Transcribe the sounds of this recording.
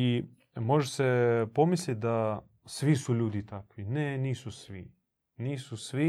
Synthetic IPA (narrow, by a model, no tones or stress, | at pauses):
i | mo̞ʒesepo̞mislʲit̪̚d̪a | sʋisuʎuːd̪it̪akʋineniːsusʋi | niːsusʋi